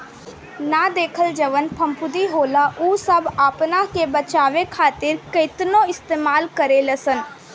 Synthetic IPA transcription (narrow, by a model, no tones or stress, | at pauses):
naːd̪eːkʰəld͡ʒəʋənpʰə̃mpʰʊd̪iɦoːlaʔuːsəbaːpnãkebət͡ʃaːʋekʰaːt̪ɪɾkəɪt̪nõɪst̪eːmaːlkəɾeləsən